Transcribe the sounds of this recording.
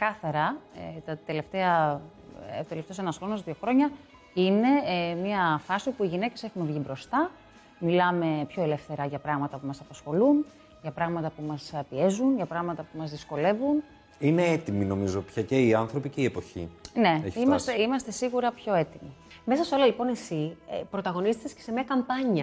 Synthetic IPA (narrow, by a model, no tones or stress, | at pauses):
kɐθɐɾɐt̪ɐt̪e̞le̞ft̪eɐ | ot̪e̞left̪eosenɐsxɾo̞nos̬ðio̞xɾo̞ɲɐ | ine̞mɐfɐsiopuiʝine̞ce̞se̞xunvʝibɾo̞st̪ɐ | milɐme̞pço̞e̞le̞fθe̞ɾɐʝɐpɾɐɣmɐt̪ɐpumɐsɐpɐsxo̞lun | ʝɐpɾɐɣmɐt̪ɐpumɐspie̞zunʝɐpɾɐɣmɐt̪ɐpumɐzðisko̞le̞vun | ineet̪imino̞mizo̞pçɐceiɐnθɾo̞piceiepo̞çḭne̞eçimɐseimɐst̪e̞siɣuɾɐpço̞e̞t̪imi | me̞sɐso̞lɐlipo̞ne̞sḭpɾo̞t̪ɐɣo̞niset̪escesemiɐkɐmpɐɲɐ